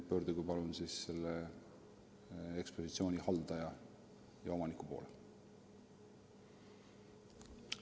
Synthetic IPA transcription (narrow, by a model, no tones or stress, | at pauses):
pø̞ːɾd̪uɡupɑlunsisːe̞lːe | ekspo̞sit̪sio̞ːnʲihɑld̪̥ɑjɑ | jɑo̞mɑnikupo̞̰ːle